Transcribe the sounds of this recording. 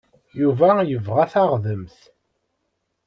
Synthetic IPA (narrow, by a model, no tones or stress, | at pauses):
juvæjəvʁæθaʁðəmθ